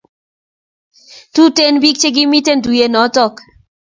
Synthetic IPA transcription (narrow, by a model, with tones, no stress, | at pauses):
tu˦te˦nbi˦k̚t͡ʃe˦ɡi˦mi˦te˦ndu˨je˨nɔ˨˦tɔ˦˨k